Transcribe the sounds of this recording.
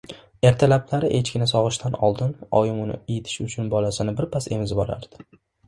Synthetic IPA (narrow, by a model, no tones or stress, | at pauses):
e̞ɾt̪ʰalaplaɾɪʔet͡ʃkʲɪnasɒʁɨʃt̪ʰanɒ̰lˠd̪ɪnɒjɪmʊnɪ̰ejt̪ʰɪ̥ʃʊt͡ʃʰʊnbɒlasɪnɪbɪɾpʰase̞mɪzbɒɾa̰ɾd̪̥ɪ̥